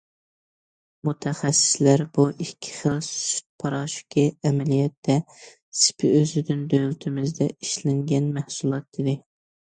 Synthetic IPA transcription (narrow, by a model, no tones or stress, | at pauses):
mut̪ʰɛχæsːɪ̥slæɾbuʔikʲʰːi̥χəlˠsy̥t̪̚pʰɑɾɑʃkʲʰiɛmɛlijɛt̪ːɛ | sɪ̥pʰɪøzɪd̪ɪnd̪ølt̪ʰɪmɪzd̪ɛʔiʃlɪŋɡʲɛnmæhsulˠɑt̪id̪ɪ